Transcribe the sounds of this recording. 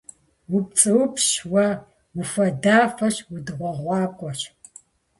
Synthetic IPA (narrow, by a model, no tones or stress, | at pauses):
wʊp̚t͡sʼɨwʊpʰʃwɐ | wʊfɐdaːfɐɕwʊdɨʁʷɔʁʷɑːkʷʼɔɕ